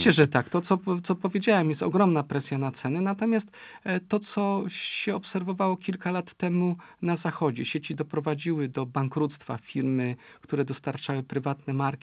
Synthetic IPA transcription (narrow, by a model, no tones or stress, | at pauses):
ɛʐɛt̪akt̪ɔt̪ɔt̪ɔpɔvʲjed͡ʑawɛmjɛst̪ɔɡɾɔmnapɾɛsʲjanat̪sɛnɛnat̪ɔmʲjast̪ | t̪ːɔt̪sɔɕɛɔpsɛɾvɔvawɔkʲilkalat̪ːɛmunazaxɔd͡ʑɛɕet͡ɕid̪ɔpɾɔvad͡ʑiwɘd̪ɔbaŋkɾut̪st̪fa̰fʲiɾmɘkt̪uɾɛd̪ɔst̪aɾt͡ʂawɘpɾɘvat̪nɛmaɾkʲi